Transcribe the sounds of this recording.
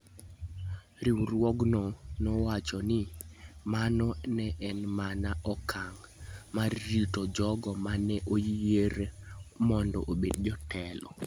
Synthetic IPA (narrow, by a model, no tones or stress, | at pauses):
ɾiwrwɔɡnɔnɔwat͡ʃɔnɪmanɔnɛʔɛnmanaʔɔkʰaŋ | marːitod͡ʒɔɡɔmanɛʔojeɾemɔndɔ̰ʔobedd͡ʒɔtʰɛlɔ̰